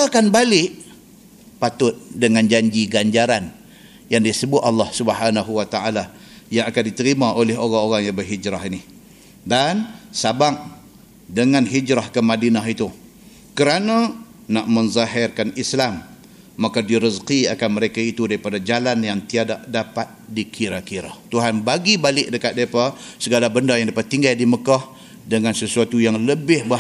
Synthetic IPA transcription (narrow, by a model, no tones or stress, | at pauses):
akanbalɪʔ | pat̪ʊt̪̚dəŋand͡ʒaɲd͡ʒiɡaɲd͡ʒaɾan | jaŋdisəbʊt̪̚ɑlːɑhsubəɦanaɦuwat̪aala | jaŋakandit̪əɾimaʔolɛɦoɾaŋoɾaŋjaŋbərɦid͡ʒɾahini | dansabaŋ | dəŋanɦid͡ʒɾahkəmadinaɦit̪u | kəɾana | naʔmənzaɦɛrkanislamː | akadiɾəzqiakanməɾekait̪udaɾipadad͡ʒalanjaŋt̪iadaʔdapat̪̚dikʰiɾakiɾa̰t̪uɦanbaɡibalɪʔ̚dəkat̪̚daipasəɡalabəndajaŋdapat̪ːiŋɡajdiməkah | dəŋansəsuat̪ujaŋləbɪhbə